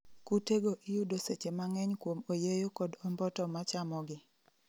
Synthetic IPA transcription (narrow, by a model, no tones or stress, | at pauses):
kuteɡoʔijudoset͡ʃemaŋɛɲkwomojejokɔdɔmbɔtɔmat͡ʃamɔɡɪ